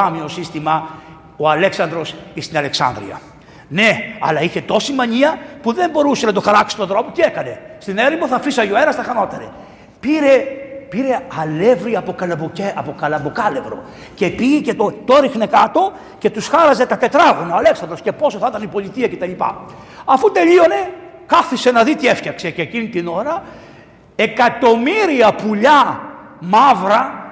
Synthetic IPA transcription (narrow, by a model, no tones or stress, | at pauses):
ɐmio̞sist̪imɐ | o̞ɐle̞ksɐnd̪ɾo̞sist̪inɐle̞ksɐ̰nd̪ɾḭɐ̰ | ne̞ɐ̰lɐiçe̞t̪o̞simɐɲiɐpuðe̞mbo̞ɾuse̞nɐt̪o̞xɐɾɐksi̥st̪uɐnθɾo̞put̪iekɐne̞st̪ineɾimboθɐfisɐʝoeɾɐst̪ɐxɐno̞t̪ɐne | piɾepiɾe̞ɐlevɾiɐpokɐlɐoeɐpokɐlɐbokɐle̞vɾo̞̰ | ce̞piicet̪ot̪oɾixne̞kɐt̪o̞ | ce̞t̪usxɐɾɐze̞t̪ɐt̪e̞t̪ɾɐɣonoɐle̞ksɐd̪osce̞po̞soθit̪ɐnipo̞lit̪iɐce̞t̪ɐʎipɐ̰ | ɐfut̪e̞ʎio̞ne̞ | kɐθise̞nɐðit̪iefçɐkse̞ːceːcinit̪ino̞ɾɐ | e̞kɐt̪o̞miɾiɐpuʎɐmɐvɾɐ